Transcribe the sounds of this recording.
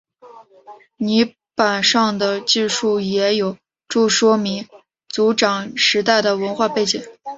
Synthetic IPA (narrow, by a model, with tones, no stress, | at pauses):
ni˧˥ | pa˨˩nʂɑ˥˩ŋd̪ə˩t͡ɕi˥˧ʂu˥˩jɛ˧˥jo˨˩ʊ | ʈ͡ʂu˥˩ʂwɔ˥mi˧˥ŋ | t͡su˧˥ʈ͡ʂɑ˨˩ŋʂɻ̩˧˥t̪a˥˩ɪd̪ə˩wə˧˥nxwa˥˧pe˥˩ɪt͡ɕi˨˩˦ŋ